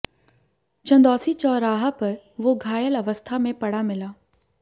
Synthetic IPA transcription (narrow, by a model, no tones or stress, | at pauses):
t͡ʃɐ̃nd̪ɔːsit͡ʃɔːɾaːɦapɐɾ | ʋoɡʱaːjəlɐʋəst̪ʰamẽpɐɽ̤amɪlaː